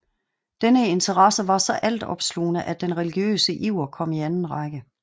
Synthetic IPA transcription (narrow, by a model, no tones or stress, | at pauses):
d̥enəe̝nt͡sʰəʁɑsəʋɑ̈sɒ̽ʔæl̰d̥ɒ̰̽b̥slo̰ːnəʔæd̥ːenʁɛliɡ̥jø̰ːsəʔiʊ̰ɐkʰɒ̽miænn̩ʁɑ̈ɡ̥ə